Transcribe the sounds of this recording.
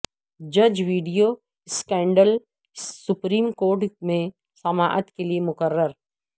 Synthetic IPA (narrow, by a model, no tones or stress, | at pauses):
d͡ʒɐd͡ʒʋiːɖijo | skɛ̃ːɳɖəlː | ʊpɾiːmkoːɾʈmẽ | sɐmaːʔət̪keliemʊkəɾːəɾ